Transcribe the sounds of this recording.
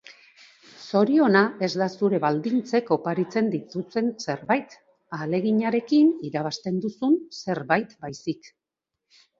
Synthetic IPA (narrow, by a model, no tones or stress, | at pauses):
so̞ɾio̞nae̞zd̪asuɾe̞βald̪int͡se̞ko̞paɾit͡se̞nd̪it̪use̞nse̞ɾβajt̪ | ale̞ɣiɲaɾe̞kiniɾaβ̞ast̪e̞nd̪usunse̞ɾβajt̪bajsik